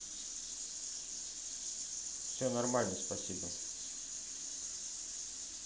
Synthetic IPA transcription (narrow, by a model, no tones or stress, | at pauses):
fsʲonɐrmalʲnəspɐsʲibə